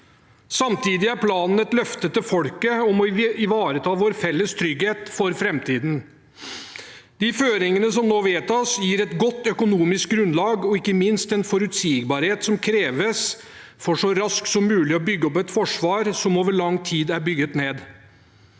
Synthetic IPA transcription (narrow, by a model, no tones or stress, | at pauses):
sɑmt̪ʰiːd̪ɪæɾpʰlɑːnn̩ɛt̪lœft̪ət̪ːəfɔlkəɔmɔɪʋɑːɾət̪ʰɑːʋoːɾfɛlːəst̪ʰɾʏɡheːt̪fɔɾfɾɛmt̪ʰiːd̪n̩ | d̪̥ɪføːɾɪŋənəsɔmnoːʋeːt̪ɔsjiːɾɛt̪ɡɔt̪ːœkʊnuːmɪsk̚ɡɾʉnlɑːɡɔɪkːəmɪnst̪ɛnfɔɾʉt̪siːɡbɑːɾheːt̪sɔmkʰɾeːʋəs | fɔʂɔɾɑsk̪sɔmːʉːlɪɔbʏɡːəɔpɛt̪fɔʂʋɑːɾsɔmoːʋəɭɑŋːt̪ʰiːd̪æɾbʏɡət̪neːd̪